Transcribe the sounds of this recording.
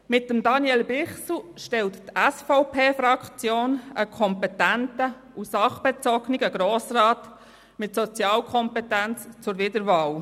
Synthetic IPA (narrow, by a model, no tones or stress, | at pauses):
mɪtːəmdɑnjɛlbɪχsuʃtɛlttæsfɔʊpʰeːfrɑkt͡sjoːnəkʰɔmpɛtæntə | usɑχb̥ɛt͡sɔɡnɪɡəɡ̥ɾoːsrɑːt | mɪtsɔt͡sjɑːlkʰɔmpɛtænt͡st͡sʊɾvɪdəɾʋɑːl